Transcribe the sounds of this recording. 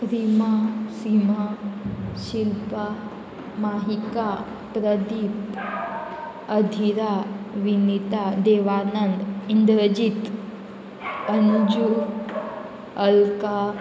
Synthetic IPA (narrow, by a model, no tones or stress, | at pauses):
ɾimasima | ɕilpa | maɦika | pɾəd̪it̪ | əd̪ʱiɾaʋinit̪ad̪eʋanənɖind̪ɾəd͡ʒit̪ | ənud͡ʒu | əlka